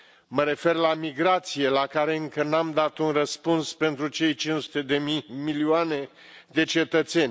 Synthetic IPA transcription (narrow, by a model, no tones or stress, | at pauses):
məɾe̞fe̞rlamiɡɾat̪sije̞lakaɾe̞ɨŋkənamd̪at̪unrəspunspe̞nt̪ɾut͡ʃe̞jt͡ʃinsu̥t̪e̞d̪e̞mimilioane̞ | d̪e̞t͡ʃe̞t̪ət̪se̞nʲ